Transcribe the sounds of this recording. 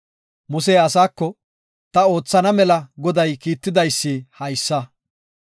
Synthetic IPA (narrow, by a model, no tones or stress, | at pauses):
mʊs̬eːɐsaːkːɔ | t̪ɐo̞ːt͡sːɐnɐmɛlɐɡɔd̪ɐjkiːt̪ːɪd̪ɐjsːihɐjsːɐ